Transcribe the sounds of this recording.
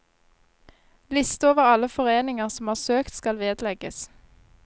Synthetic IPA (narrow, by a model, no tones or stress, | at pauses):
lɪst̪əoːʋəʁɑləfɔʁeːnɪŋəʁsɔmhɑːʁsøːkt̪skɑlʋeːd̪lɛɡəs